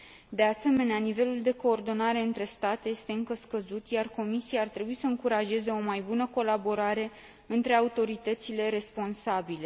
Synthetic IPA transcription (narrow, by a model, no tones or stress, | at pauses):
d̪e̞ase̞me̞neanive̞luld̪e̞ko̞ːrd̪o̞naɾe̞ɨnt̪ɾe̞st̪at̪eje̞st̪e̞ɨŋkəskəzut̪jarko̞misiaːrt̪ɾe̞buisəɨŋkuɾaʒe̞ze̞o̞majbunəko̞labo̞ɾaɾe̞ | ɨnt̪ɾe̞aut̪o̞ɾit̪ət̪sile̞ɾe̞spo̞nsabile̞